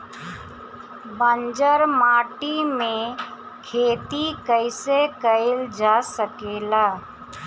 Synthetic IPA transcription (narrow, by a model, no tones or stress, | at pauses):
bənd͡ʒəɾmaːʈimẽ | kʰeːt̪ikəɪsekəɪld͡ʒaːsəkeːlaː